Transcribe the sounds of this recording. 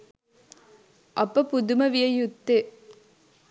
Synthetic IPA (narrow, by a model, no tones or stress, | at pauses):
ʔɐpːɐpud̪umɐʋijɐjut̪ːe